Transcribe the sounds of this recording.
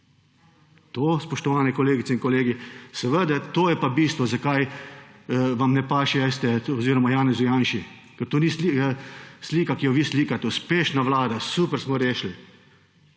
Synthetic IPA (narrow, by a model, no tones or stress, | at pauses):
t̪oːspɔʃt̪ɔʋaːnɛkɔleːɡit̪sɛĩnkɔleːɡisɛʋəd̪at̪oːjɛpabiːst̪ʋɔzakaj | ʋamnɛpaːʃiajst̪ɛɔziːɾɔmajaːnɛzʊjaːnʃi | kɛɾt̪oːnislisliːkakijɔʋiːsliːkat̪ɛuspeːʃnaʋlaːd̪asuːpəɾsmɔɾeːʃli